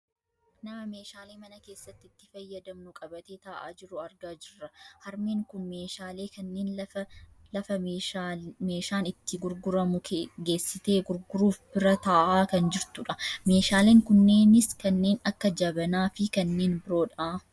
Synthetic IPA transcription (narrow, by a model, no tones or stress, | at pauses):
nɐmɐme̞ːʃaːle̞ːmɐnɐke̞ːsːɐt̪ːɪt̪ːɪfɐjːɐd̪ɐmnʊkʼɐbɐt̪eːt̪aːʔa̰ːd͡ʒɪɾʊɐɾɡaːd͡ʒɪrːɐhɐɾmeːŋkʊnmeːʃaːle̞ːkɐnːeːn | lɐfɐ | me̞ːʃaːnɪt̪ːɪɡʊɾɡʊɾɐmʊɡe̞ːsːɪt̪e̞ːɡʊɾɡʊɾuːfb̥ɪɾɐt̪aːʔaːkɐnd͡ʒɪɾt̪ʊᶑɐme̞ːʃaːle̞ːŋkʊnːe̞ːnɪskɐnːe̞ːnɐkːɐd͡ʒɐbɐnaːfɪkɐnːe̞ːnbɪɾo̞ːᶑaː